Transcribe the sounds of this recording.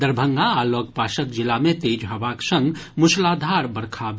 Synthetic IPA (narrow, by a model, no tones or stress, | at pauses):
d̪əɾbʱə̃ŋɡaːlɔɡ̚paːʃəkd͡ʒɪlamẽt̪eːd͡ʒɦɐʋaksə̃ŋɡmʊslaːd̪ʱaɾbəɾkʰab